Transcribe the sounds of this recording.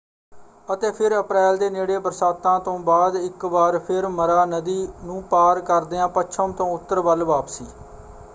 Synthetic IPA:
ət̪eːpʰɪɾəpɾɛːld̪eːneːɽeːbəɾsaːt̪ːãːt̪õːbaːd̪ɪkʋaːɾpʰɪɾməɾaːnəd̪iːnũːpaːɾkəɾd̪eːãːpət͡ʃʰəmt̪õːʊt̪ːəɾbəlʋaːpsiː

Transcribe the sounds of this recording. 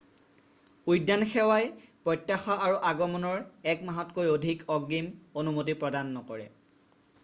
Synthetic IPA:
ujdanxɛwajpɹɔjtjaxɔʔaɹuʔaɡɔmɔnɔɹɛkmaɦɔtkojodʱikɔɡːimonumot̬ipɹɔdanːɔkɔɹɛ̰

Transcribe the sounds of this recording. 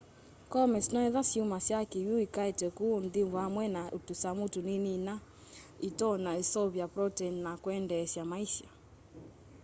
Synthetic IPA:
kɔmɛsnɔɛðasiumasjakijuikaɛtɛkunðivwamwɛnautusamutuninina | itɔnaisɔβjapɾɔtɛnnakwɛndɛːsjamaiʃa

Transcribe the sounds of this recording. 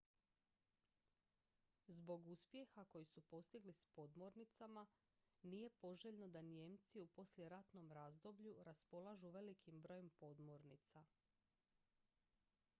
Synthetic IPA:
zbo̞ɡuspje̞xako̞jisupo̞st̪iɡlispo̞d̪mo̞ɾnit̪sama | nije̞po̞ʒe̞ʎno̞d̪anjemt̪siupo̞slʲje̞ɾat̪no̞mɾazd̪o̞bʎuɾaspo̞lˠaʒuʋe̞likʰimbɾo̞je̞mpo̞d̪mo̞ɾnit̪sa

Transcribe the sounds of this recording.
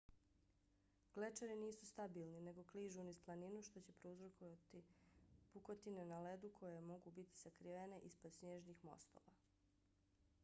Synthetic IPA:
ɡ̥let͡ʃaɾiniːsust̪abiːlˠnine̞ɡo̞kliːʒunisplˠaninuʃt̪o̞t͡ɕe̞pɾeuzɾot̪ipukot̪inenaled̪ukʰo̞jemo̞ɡubit̪i̥sakɾiʋene̞ʔispod̪snɲeːʒnixmo̞̰st̪o̞̰ʋa

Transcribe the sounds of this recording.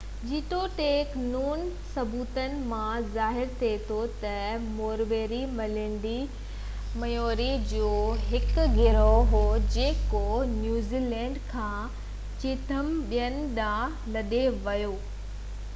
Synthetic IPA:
d͡ʑiːt̪oʈeːknuːn | sɐbuːt̪ənɪ̆mãzaːɦɪɾt̪ʰiet̪ʰot̪ɐmoːɾʋeːɾimɐlɪɳɖi | mɐjoːɾid͡ʑoːɦɪkɡʱɪɾoɦoːd͡ʑeːkonjuːziːlɛ̃ːɳɖkʰãː | t͡ɕɪːt̪ʰəmɓijənɪ̆ɗãː | lɐɗeʋɐjoː

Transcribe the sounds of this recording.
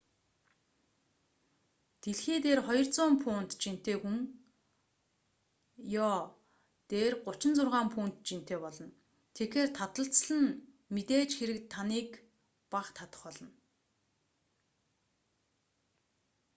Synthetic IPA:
t̪eɮxeːt̪eːrχɔjɞ̆rt͡sʊːmpʰʊːn̥t̪t͡ɕin̥t̪eːxuŋ | jɔː | t̪eːrɢʊt͡ɕɪ̆nt͡sʊrʁaːmpʰuːn̥t̪t͡ɕin̥t̪eːpɔɮɞ̆n | t̪ʰekeːrt̪ʰat̪ə̆ɬt͡sɮə̆n | met̪eːt͡ɕxeɾɘ̆k̚t̪ʰːaniːk | paχt̪ʰat̪ə̥̆χpɔɮɞ̆n

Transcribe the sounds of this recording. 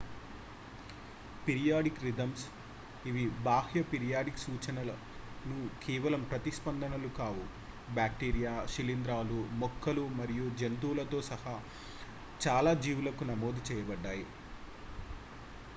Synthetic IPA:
peɾijaːɖikɾid̪ɐms | iʋibaːhjɐpeɾijaːɖiksuːt͡ʃɐnɐlɐ | nukʰɛːʋɐlɐmpɾɐt̪ispɐnd̪ɐnɐlukaːʋu | bjaːkʈiːɾijaːʃilind̪ɾaːlumɔkʰːɐlumɐɾijud͡ʒent̪uːlɐt̪o̞ːsɐha | t͡ʃaːlaːd͡ʒiːʋulɐkunɐmoːd̪ut͡ʃɛːjɐbɐɖːaːji

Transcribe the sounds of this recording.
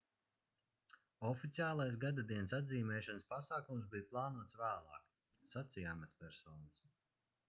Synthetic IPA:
ɔfit̪sijaːlˠajsɡad̪ad̪iɛnsad̪ziːmɛːʃanɨspasaːkumsbijuplˠɑːnuɔt̪svæːlˠɑ̰ːk | sat̪sijaːmat̪pɛɾsɔːnɨs

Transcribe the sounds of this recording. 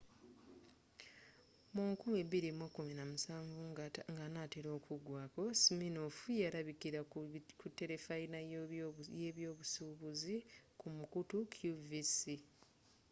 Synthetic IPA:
muŋkumeβiɾimwakːuminamusaːɱvuŋɡŋɡanateɾo̞ːkʰuɡwaːko̞siminofujaɾaβikiɾakutːe̞ɾe̞faina | jeβjoːβusuβuzikumukutukʰjuvisi

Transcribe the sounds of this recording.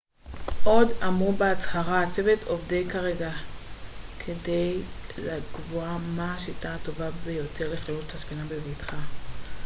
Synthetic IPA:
ʔo̞damubeat͡shaʁaːt͡sevetʰovdejkaʁeɡa | kʰede̞jlaɡvuamaʃitaːto̞vabejo̞tʰe̞ʁleχlalut͡saspinabevitχa

